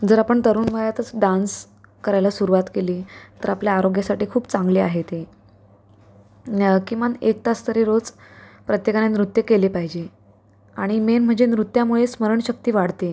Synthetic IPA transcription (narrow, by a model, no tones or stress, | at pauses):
d͡zəɾapəɳt̪əɾuːnʋajat̪ət͡sɖans | kəɾajlasuɾuʋat̪keliːt̪əɾapljaːɾoɡjasaʈiːkʰuːpt͡sãŋɡliːaɦet̪e | kĩʋanek̚t̪ast̪əɾiɾod͡zpɾət̪jekanenɾut̪jəkeliːpaɦid͡ʑe | aɽ̃imenm̤əɳd͡ʑenɾut̪ːjamuɭesməɾəɳɕək̚t̪iːʋaɽ̤t̪e